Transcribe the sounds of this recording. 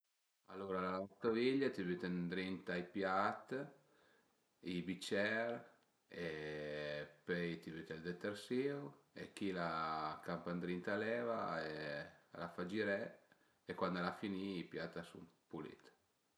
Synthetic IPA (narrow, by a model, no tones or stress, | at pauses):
a̰lːoɾalalaot̪oviʎːat̪ivyt̪end̪ɾint̪aipjat̪ː | ibit͡ʃɛɾ | e | pɛjt̪ivyt̪ɛld̪ɛt̪ːeɾsiːuekːilakampand̪ɾint̪alɛːvaḛlafad͡ʒiɾɛ | ekwand̪alafiniipjat̪ːasṵmpulḭt̪